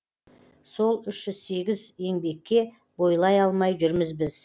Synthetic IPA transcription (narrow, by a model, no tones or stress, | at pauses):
so̞lˠʏʃʒ̥ʏz̥se̞ɡʲɪze̞ŋbe̞kʲːe̞ | bo̞jlˠɑjɑlˠmɑjʒʏɾmɪzbɪz